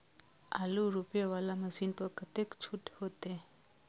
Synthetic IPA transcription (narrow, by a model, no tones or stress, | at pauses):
aluɾupjaʋalaməsinpəɾkət̪ekt͡ʃʰuʈhot̪e